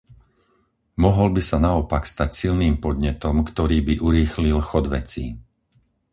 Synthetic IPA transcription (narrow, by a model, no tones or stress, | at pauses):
mɔɦɔlbisanaɔpakst̪acsilniːmpɔd̪ɲɛt̪ɔmkt̪ɔɾiːbiʔuɾiːxlilxɔd̪ʋɛ̰t͡siː